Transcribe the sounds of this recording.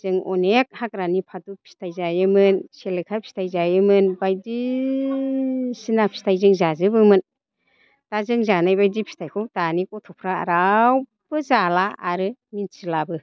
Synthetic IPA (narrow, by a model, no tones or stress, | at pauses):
zɯŋɔnek̚hak̚ɾanipʰatupʰi̥stʰajzajɯmɯnselekʰapʰi̥stʰajzajɯmɯnbajdi | sinapʰi̥stʰajzɯŋzazɯbɯmɯn | tazɯŋzanajbajdipʰi̥tʰajkʰɯwtanikɔtʰɔpʰɾaa̰ɾaw | bɯzalaːɾɯminsʰilabɯ